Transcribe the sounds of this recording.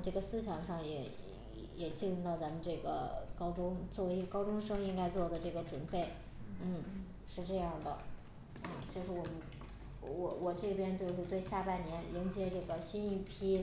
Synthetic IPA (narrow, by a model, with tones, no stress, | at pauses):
ʈ͡ʂɤ˥˩ɡə˩sɹ̩˥˧ɕjɑ˨˩ŋʂɑ˥˩ŋjɛ̰˧˥˩ | jɛ˨˩t͡ɕi˥˧lu˥˧nt̪ɑ˥˩ʊt͡sa˧˥mə˧nʈ͡ʂɤ˥˩ɡə̰˩kɑ˥ʊʈ͡ʂʊ˥ŋt͡swɔ˥˩we˧˥˧kɑ˥ʊʈ͡ʂʊ˥ŋʂɤ˥ŋi˥ŋka˥ɪt͡swɔ˥˩d̪ə˩ʈ͡ʂɤ˥˩ɡə˩ʈ͡ʂwʊ˨˩npe˥˩ɪ | n̩˥˩ | ʂɻ̩˥˧ʈ͡ʂɤ˥˧jɑ˥˩ŋd̪ə̰˩ | n̩˥˩t͡ɕjo˥˧ʊʂɻ̩˥˩wɔ˨˩mə˦n˧˩ | wɔ˨˧˩wɔ˨˩ʈ͡ʂɤ˥˩˧pjɛ˥nt͡ɕjo˥˧ʊʂ̩˥˧t̪we˥˧ɪɕja˥˧pa˥˩nnjɛ˧˥nljɛ˧˥nt͡ɕjɛ˧˥ʈ͡ʂɤ˥˩ɡə˩ɕi˥ni˥˩pʰi˥